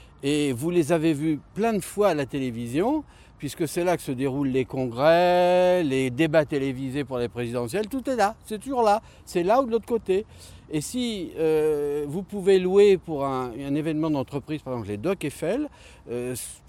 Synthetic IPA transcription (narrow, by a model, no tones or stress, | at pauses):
evulezavevyplɛ̃d̪əfwaːlat̪elevizjɔ̃ | pɥiskəsɛlakə̥səd̪eʁulːekɔ̃ɡʁɛled̪ebat̪elevizepuʁlepχezid̪ɑ̃sjɛlt̪ut̪ɛlasɛt̪uʒuʁla | sɛlaud̪əlot̪χə̥kot̪eː | siøvupuveluepuʁɛ̃ɛ̃nevɛnmɑ̃d̪ɑ̃t̪χəpχiz̥paʁeɡzɑ̃pled̪ɔkefɛl | øs